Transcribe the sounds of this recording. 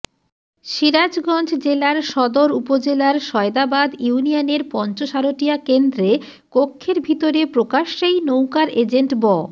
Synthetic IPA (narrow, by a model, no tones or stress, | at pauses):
ʃiɾad͡ʑɡɔnd͡ʑʰʱd͡ʑelaɾʃɔd̪oɾupod͡ʑelaɾʃɔed̪abad̪junianeɾpɔnt͡ɕoʃaɾoʈijakend̪ɾe | kokʰːeɾbʱit̪oɾepɾokaʃːejnowkaɾed͡ʑeɳʈbɔ